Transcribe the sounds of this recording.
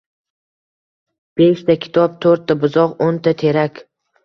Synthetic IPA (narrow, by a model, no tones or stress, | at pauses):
b̥eʃt̪ʰakʲʰɪ̥t̪ʰɒp̚t̪ʰɵɾt̪ʰːabʊzɒqont̪ʰat̪ʰe̞ɾakʲ